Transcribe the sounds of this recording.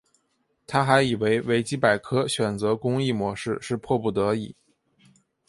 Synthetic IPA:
t̪ʰa˥xa˧˥ɪi˨˩we˧˥ɪwe˧˥ɪt͡ɕi˥pa˨˩ɪkʰɤ˥ɕɥɛ˨˩nt͡sɤ˧˥kʊ˥ŋi˥˩mwɔ˧˥ʂɻ̩˥˧ʂɻ̩˥˧pʰwɔ˥˧pu˥˩t̪ɤ˧˥i˨˩˦

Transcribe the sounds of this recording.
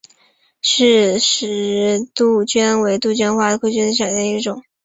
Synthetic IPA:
ʂɻ̩˥˩ʂɻ̩˨˩t̪u˥˩t͡ɕɥɛ˥nwe˧˥ɪt̪u˥˩t͡ɕɥɛ˥nxwa˥˩d̪ə˨˩kʰu˥˩t͡ɕy˥nd̪ə˧ɕjɑ˨˩d̪ɛ˥˧i˥˩ʈ͡ʂʊ˨˩˦ŋ

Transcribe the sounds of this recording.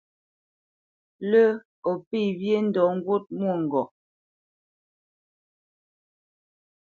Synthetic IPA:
lə˦ | ɔ˨pi˦˨bje˦n̩˦dɔ˨˦ŋ̩˦ɡwo˦t̚mwo˦˨ŋ̩˨ɡɔ˨

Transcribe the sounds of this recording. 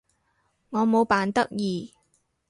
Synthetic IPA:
ŋɔː˨˧mo˨˧wpaː˨nt̪ɐ˥k̚jiː˨˩

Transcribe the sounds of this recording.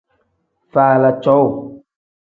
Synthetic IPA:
faː˨la˨t͡ʃɔ˨˦w

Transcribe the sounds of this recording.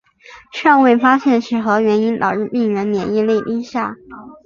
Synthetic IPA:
ʂɑ˥˧ŋwe˥˩ɪfa˥ɕjɛ˥˧nʂɻ̩˥˩xɤ˧˥ɥɛ˧˥ni˥nt̪ɑ̰˨˩ʊɻ̩˥˧pi˥˩ŋɥɛ˧˥nnjɛ̰˨˩ni˥˧le˥˩ɪpi˥ŋɕja˥˩

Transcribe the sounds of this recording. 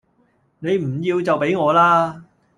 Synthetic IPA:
ne˨˧jm̩˨˩jiː˧wt͡sɐ˨wpe˨˥jŋɔː˨˧laː˥

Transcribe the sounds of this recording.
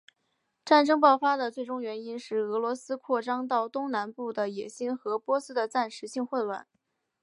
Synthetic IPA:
ʈ͡ʂa˥˩nʈ͡ʂɤ˥ŋp̬ɑ˥˩ʊfa˥d̪ə˨t͡swe˥˩ɪʈ͡ʂʊ˥ŋɥɛ˧˥ni˥nʂɻ̩˥˩ɤ˧˥lwɔ˧˥sɹ̩˥kʰwɔ˥˩ʈ͡ʂɑ˥ŋt̪ɑ˥˩ʊt̪ʊ˥ŋna˧˥npu˥˩d̪ə˩jɛ˨˩ɕi˥nxɤ˧˥pwɔ˥sɹ̩˥d̪ə˨t͡sa˥˩nʂɻ̩˧˥ɕi˥˧ŋxwə˥˧nlwa̰˥˩n

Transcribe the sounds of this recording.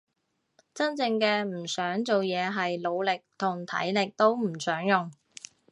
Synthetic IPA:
t͡sɐ˥nt͡sɪ˧ŋkɛː˧m̩˨˩sœː˨˥ŋt͡so˨wjɛː˨˧ɦɐ˨jlo˨˧wlɪ˨k̚t̪ʰʊ˨˩ŋt̪ʰɐ̰˨˥jlɪ˨k̚t̪o˥wm̩˨˩sœː˨˥ŋjʊ˨ŋ

